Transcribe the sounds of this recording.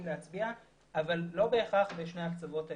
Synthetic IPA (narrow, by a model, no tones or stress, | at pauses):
leat͡sbia | ʔavalːo̞be̞ːχaχbeʃneakt͡savo̞ta